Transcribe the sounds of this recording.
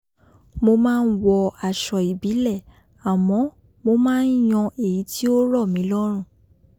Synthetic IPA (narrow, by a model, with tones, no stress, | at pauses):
mo˧mãː˦˧n̩˦wɔ˧a˨ʃɔ˨i˨bi˨˦lɛ˦˨ | a˨mɔ̃˨˧˦ | mo˧mãː˦˧n̩˦j̃ɔ̃˧e˨ji˨˦ti˦o˦ɾɔ˦˨mĩ˨˦lɔ˦ɾ̃ũ˦˨